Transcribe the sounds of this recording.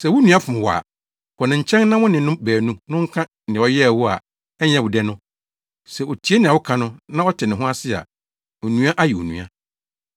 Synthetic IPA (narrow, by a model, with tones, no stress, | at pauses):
sɛ˨wʊ˦nũ˨˦a˦fʊ̃˨m˨wɔ˨a̰˨ | kʰɔ˨nɪ̃˨ɲ̩˨t͡ɕʰɛ̃˦n˦nã˦wʊ̃˦nɪ̃˨nʊ̃˦bæː˨nũ˦nʊ̃˦ŋ̩˦kʰã˦ | nɪ̃˨ɔ˨jɛ˦˨wʊ˦a̰˨ | ɛ˦ɲɛ̃˨wʊ˨dɛ˦nʊ̃˦ | sɛ˨o˨tʰi˨˦e˦nɪ̃˨a˨wʊ˦kʰã˨nʊ̃˦nã˦ɔ˦tʰɪ˨nɪ̃˨ɦʊ̃˦a˦sɪ˦˨a̰˨ | o˨nũ˦a˦ʔa˦ji˨o̰˨nṵ̃˨a̰˦